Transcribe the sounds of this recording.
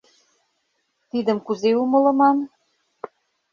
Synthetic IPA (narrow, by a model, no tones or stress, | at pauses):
t̪id̪ə̆mkuzeumɤ̆lɤ̆mɑn